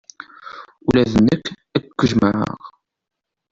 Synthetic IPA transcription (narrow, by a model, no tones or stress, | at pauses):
ulæðənːəkː | ækkʷːəʒməʕə̰ʁ